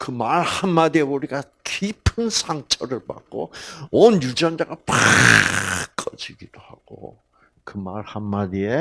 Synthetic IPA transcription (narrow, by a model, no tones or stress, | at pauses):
kɯmaɭhamːadieuɾiɡa | kipʰɯnsʰaŋt͡ɕ͈ʰʌɾɯɭpa̰k̚k͈o̰ʌnjud͡ʑand͡ʑaɡapa | k͈ʌd͡ʑiɡid̥oha̰ɡ̥o̰ | kɯmaɭhamːadie̞